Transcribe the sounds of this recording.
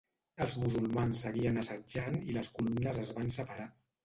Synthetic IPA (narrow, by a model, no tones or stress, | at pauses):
əlˠzmuzulˠmansːəɣiənəsəd͡ʒaniləskulumnəzəzβansəpəɾa